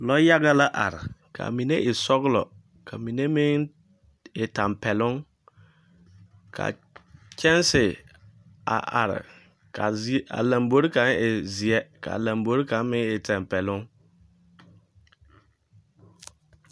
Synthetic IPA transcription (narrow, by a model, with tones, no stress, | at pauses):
lɔ˦ja˦ɡa˦la˦ʔa˨ɾɪ̰˨kʰa̰˨mĩ˨ne˦ʔe˨sɔ˦ɡlɔ̰˨ | kʰa˨mĩ˨ne˦mɪ̃˦ | e˨tã˨mpʰɛ˨lʊ̃˦ŋ | kʰa̰˨ | t͡ʃʰɛ̃˦n˦sɪ˨ | a̰˨ʔa̰˨ɾɪ̰˨ | kʰa˨˦a̰˨lã˨mbo˦ɾi˦kã˨ne˨zi˨ɛ˦kʰa̰˨lã˨mbo˨˦ɾi˦kã˨˦mɪ̃˦e˨tʰɛ̃˨m˨pɛ˨lʊ̃˦ŋ